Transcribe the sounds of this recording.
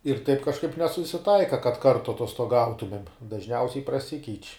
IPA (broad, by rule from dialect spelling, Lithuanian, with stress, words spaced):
ɪr tɐɪp kɐʃˈkɐɪp nʲɛsʊsʲɪˈtɐɪkɐ kɐt ˈkɐrtʊ ɐtoːstoːˈɡɐʊtʊmʲeːm dɐʒʲˈnʲɛʊsʲɛɪ prɐˈsʲɪkʲɛɪt͡ʃʲ